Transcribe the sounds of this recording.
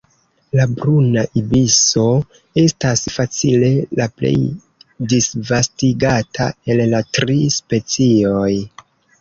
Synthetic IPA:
labɾunaʔibiso̞ | e̞stasfat͡sile̞laple̞̰j | disvastiɡatʰa̰e̞llatɾispe̞t͡sio̞j

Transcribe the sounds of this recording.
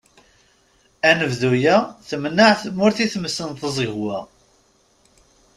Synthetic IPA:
ænəvðujæθəmnaʕθəmːʊɾθiθməsənθəzˤəɣwæ

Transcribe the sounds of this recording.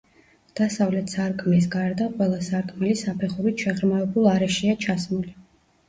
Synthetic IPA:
d̪̥asavlɛt̪ʰsaɾkʼmɛs̬ɡaɾd̪aqʼwɛlˠasaɾkʼmɛlisapʰɛχuɾit̪ʰʃɛʁɾmavɛbulˠaɾɛʃiat͡ʃʰasmuli

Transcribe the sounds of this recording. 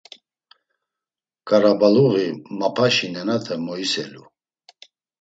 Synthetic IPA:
kʼaɾabaluɣimapʰaʃinɛnat̪ʰɛmɔisɛlu

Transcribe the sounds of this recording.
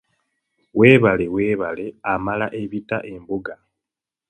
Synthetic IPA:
we̞ːβale̞we̞ːβale̞amalaʔe̞βita̰ʔe̞mbuɡane

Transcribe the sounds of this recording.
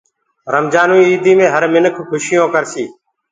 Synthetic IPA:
ɾəmd͡ʒaːnuːiːiːd̪iːmẽːɦəɾmɪnəkʰkʰʊʃɪjõːkəɾsiː

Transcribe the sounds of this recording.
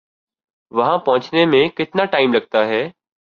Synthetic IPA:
ʋɐɦãpɐ̃ɦʊ̃t͡ɕnemẽkɪt̪ɪnaʈaːɪmlɐɡ̚t̪aɦɛː

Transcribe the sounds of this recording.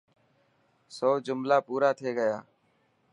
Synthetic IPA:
soːd͡ʒʊmlaːpuːɾaːt̪ʰeːɡəjaː

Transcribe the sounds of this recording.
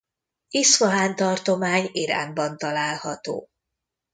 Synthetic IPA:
isʋɒɦaːnt̪ɒrt̪o̞maːɲiɾa̰ːnbɒnt̪ɒlaːlhɒt̪o̰ː

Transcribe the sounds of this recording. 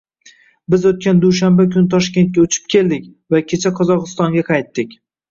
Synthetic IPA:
bɪzot̪̚kʲand̪uʃambakʲʰʊnɪt̪ʰɒʃkʲe̞nt̪̚kʲaʊt͡ʃʰɪ̥p̚kʲʰe̞ld̪ɪk̚ʲvakʲʰe̞t͡ʃʰaqʰɒzɒqɨst̪ɒŋɡʲaqʰɑjt̪ːɪkʲ

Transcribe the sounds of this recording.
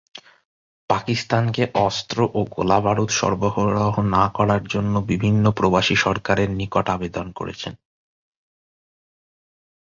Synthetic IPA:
pakist̪ankeʔɔst̪ɾoʔoɡo̰labaɾut̪ʃɔ̰ɾboɦoɾoɦonakɔɾaɾd͡ʑonːobibʱinːopɾobaʃiʃɔɾkaɾeɾnikoʈabed̪onko̰ɾḛt͡ɕʰen

